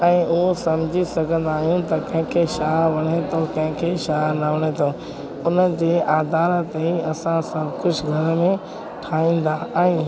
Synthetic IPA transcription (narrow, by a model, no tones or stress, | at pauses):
ɛ̃ːʊɦosɐmd͡ʑʱisɐɡʱə̃n̆d̪aːɦijũt̪ɐkɐ̃ɦɪ̃kʰeʃaːʋɐɽ̃et̪ʰokɐ̃ɦɪ̃kʰeʃaːɾnɐʋɐɽ̃et̪ʰo | ʊnəd͡ʑeːʔaːd̪aːɾət̪ɐiɐsãsɐbkʊd͡ʑʰɡʱɐɾmẽ | ʈʰaːĩːn̆d̪aɛ̃ː